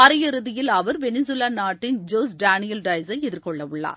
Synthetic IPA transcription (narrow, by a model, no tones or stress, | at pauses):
ɐɾɪjɐɾɯðɪjɪlɐʋɐɾʋɛnɪs̬ʊlaːnaːʈːɪnd͡ʒoːsɖaːnɪjɐlɖɐɪsɐɪɛðɪɾkɔɭːɐʋɯɭːa̰ːɾ